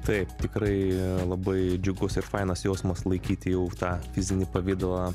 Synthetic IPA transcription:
t̪ɐɪpt̪ʲɪkɾɐɪlˠɐbɐɪd͡ʒʲʊɡʊsɪɾfɐɪnɐsjoːsmɐslˠɐɪkʲiːt̪ʲɪjɛʊt̪ɑːfʲɪzʲɪnʲɪpɐʋʲɪd̪olˠɐ

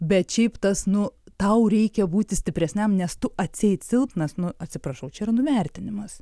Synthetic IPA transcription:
bʲɛt̪ʃʲɛɪpt̪ɐsnʊt̪ɐʊɾʲɛɪkʲɛbuːt̪ʲɪsʲt̪ʲɪpʲɾʲɛsʲnʲɛmnʲɛst̪ʊʔɐt̪ʲsʲɛɪtsʲɪlˠt̪nɐsnʊɐtʲsʲɪpɾɐʃɐʊt͡ʃʲɛiɾɐnʊʋʲɛrʲt̪ʲɪnʲɪmɐs

